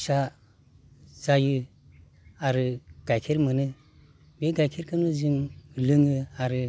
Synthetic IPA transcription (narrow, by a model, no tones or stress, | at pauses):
ʃa | zaju | aɾɨɡ̥akʰeɾmɨnɨ | beɡakʰeɾkənuzimlɨŋɨaɾɨ